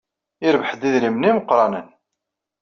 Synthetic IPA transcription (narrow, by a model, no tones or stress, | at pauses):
ɪɾvəħd̪iðlimniməqɾˤɑnən